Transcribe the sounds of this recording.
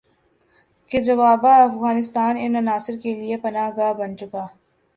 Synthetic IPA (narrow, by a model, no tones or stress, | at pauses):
ked͡ʒɐʋaːbaɐfɣaːnɪst̪aːnɪnɐnaːsɪɾkeliepɐnaːɦɡaːbɐnt͡ʃʊkaː